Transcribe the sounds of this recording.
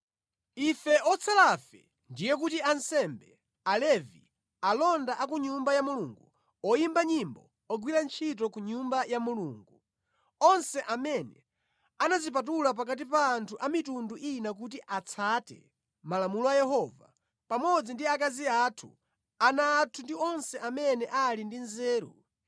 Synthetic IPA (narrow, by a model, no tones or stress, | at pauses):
ifɛʔɔt͡sʰalafɛ̰ | ndijɛk̬utiansɛmbɛ | alɛvḭ | alɔndaʔakuɲumbajamuluŋɡu | ɔjimbaɲimbɔ | ɔɡwiɾant͡ʃʰit̬ɔkuɲumbajamuluːŋɡu | ɔnsɛʔamɛnɛ | anazip̬at̬ulap̬ak̬at̬ipaːntʰuʔamitunduʔinak̬utiʔat͡sʰaːtɛ̰ | malamulɔajɛɦɔva̰ | pamɔd͡zindiakaziatʰṵ | anaːtʰundiɔnsɛʔamɛnɛʔalindinzɛːɾṵ